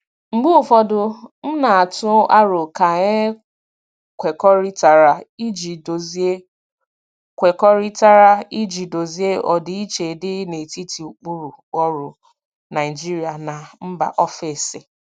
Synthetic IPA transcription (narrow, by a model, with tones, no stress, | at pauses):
ŋ͡m̩˨ɡ͡bu˦ʊ˨fɔ˨dʊ˨n̩˦na˨a˨tʊ˦ʔa˦ɾʊ˨ka˨ɲe˦ | kʷe˨kɔ˦ɾi˦ta˨ɾa˨i˦d͡ʒi˨do˨zi˦e˦ | kʷe˨kɔ˦ɾi˦ta˦ɾa˦i˦d͡ʒi˨do˨zi˦e˦ʔɔ˨dɪ˦i˦t͡ʃe˨dɪ˦ne˨ti˦ti˨u˨k͡pu˦ɾu˨ | ɔ˦ɾʊ˨ | na˨ɪ˨d͡ʒi˦ɾi˦a˨na˨m̩˦ba̰˨ʔɔ˦fɪ˨sɪ˨